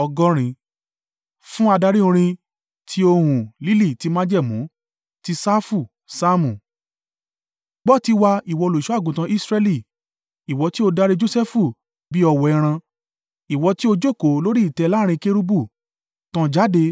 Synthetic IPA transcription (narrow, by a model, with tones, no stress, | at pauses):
ɔ˧ɡɔ˦ɾ̃ĩ˧ | fũ˦a˧da˧ɾi˦õ˧ɾ̃ĩ˧ | tʰi˦o˧hũ˨li˦li˦˨ti˧mã˦d͡ʒɛ˦˨mũ˨˦ | ti˧sa˦fu˦˨ | sa˦mũ˨ | ɡ͡bɔ˦˨ti˧wa˧i˨wɔ˧lo˨ʃɔ˨˦a˦˨ɡũ˨tã˧˦ʔi˦sɾɛ˧li˦˨ | i˨wɔ˧ti˦o˧da˧ɾe˧d͡ʒo˧sɛ˦fu˦˨ | bi˦ɔ˧wɔ˧ɛ˧ɾ̃ã˧ | i˨wɔ˧ti˦o˧d͡ʒo˦˨ko˨˦lo˦ɾi˦i˦˨tɛ˧la˦ɾ̃ĩ˧ke˧ɾu˧bu˦˨ | tã˧d͡ʒa˨˦de˧